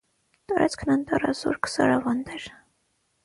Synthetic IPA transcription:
t̪ɑɾʔɑt͡sʰkʰnɑnt̪ɑrɑzṵɾkʰsɑɾɑvɑnd̪ɛɾ

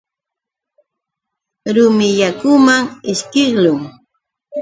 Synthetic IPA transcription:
ɾʊmɪʎakʊmaŋɪʃkɪχlʊŋ

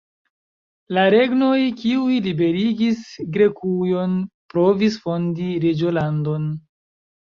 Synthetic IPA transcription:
laɾe̞ɡno̞jkiujlibe̞ɾiɡisɡɾekujo̞npɾo̞visfo̞ndiɾed͡ʒolando̞n

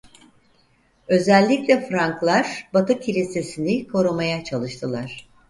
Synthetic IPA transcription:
ø̞zɛlʲːicʲlʲɛfɾaŋklˠaɾ̥bat̪ɯcʰilʲise̞sinikʰo̞ɾumajat͡ʃʰalˠɯʃt̪ʰɯlˠaɾ̥

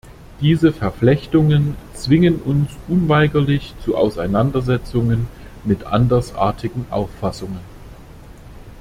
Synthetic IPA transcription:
d̥iːzəfɛɐflɛçtʊŋənt͡sv̥ɪŋənʔʊnsʔʊnvaɪɡɐlɪçt͡suʔa̰ʊsaɪnandɐzɛt͡sʊŋən | mɪtʔa̰ndɐsʔa̰ːɐtʰɪɡŋ̩ʔa̰ʊfːasʊŋən

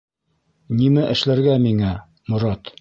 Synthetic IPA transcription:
nimæʔɘ̆ʃlæɾɡæmiŋæ | mŏɾɑt̪

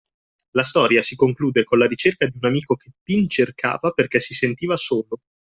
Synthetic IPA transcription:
last̪ɔːɾjasikoŋkluːd̪ekonlaɾit͡ʃerkad̪iunamiːkok̟et̪ːint͡ʃerkʰa̰ːvaperkɛsisent̪iːvasoːlo

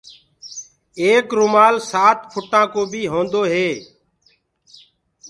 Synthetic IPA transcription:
eːkɾʊmaːlsaːt̪pʰʊʈãːkoːbʱiːɦõːnd̪oːɦeː

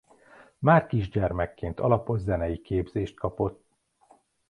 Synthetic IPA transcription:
maːrkiʒɟɛrmɛkːeːnt̪ɒlɒpo̞zzɛnɛjikeːbz̥eːʃt̪̚kɒpo̞t̪ː

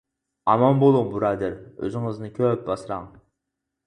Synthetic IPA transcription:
ɑ̰mɑmbolˠuŋbuɾɑːd̪ɪɾø̰zɪŋɨznɨkʲʰøp̚bɑsɾɑ̰ŋ

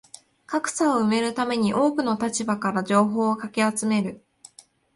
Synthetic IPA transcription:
kakɯ̟̥saoɯ̟me̞ɾɯ̟t̪ame̞ɲ̟iʔo̞ːkɯ̟no̞t̪at͡ɕibakaɾaʑo̞ːɦo̞ːkakʲiat͡sɨme̞ɾɯ̟

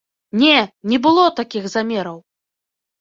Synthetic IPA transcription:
nʲɛnʲɛbɨlˠɔt̪akʲixzamʲɛɾɐw

